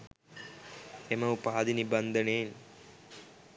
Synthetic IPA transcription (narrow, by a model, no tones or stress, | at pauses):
emɐupaːd̪inibɐnd̪ʱəneːn